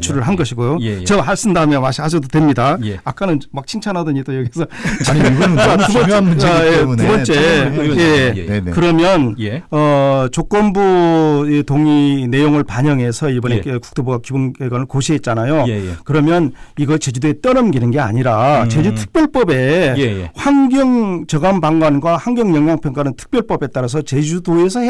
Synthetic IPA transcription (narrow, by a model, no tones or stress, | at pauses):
t͡ɕʰuɾɯɭɦanɡʌɕʰiɡojot͡ɕʌɦaɭs͈ɯndamjʌnmaɕʰihasʰʌdotwe̞mɲidaak͈anɯnmak̚t͡ɕʰiŋt͡ɕʰanadɯɲit͈ojʌɡisʰʌt͡ɕ | tubʌʌjetubʌnt͡ɕ͈e̞je̞kɯɾʌmjʌnʌt͡ɕok͈ʌnbuetoŋine̞joŋɯɭpaɲʌŋɦe̞sʰʌibʌneku̥k̚t͈obuɡakiboneɡwanɯɭkoɕʰiɦet̚t͡ɕ͈anajokɯɾʌmjʌniɡʌɭt͡ɕe̞d͡ʑudoet͈ʌɾɯmɡinɯnɡe̞a̰ɲiɾat͡ɕe̞d͡ʑutʰɯ̥k̚p͈jʌɭp͈ʌbe̞ | hwaŋɡjʌŋt͡ɕʌɡambaŋɡwanɡwaɸaŋɡjʌŋjʌŋɡwaŋpʰjʌŋk͈aɾɯntʰɯ̥k̚p͈jʌɭp͈ʌbe̞t͈aɾas̬ʰʌt͡ɕe̞d͡ʑudoe̞sʰʌh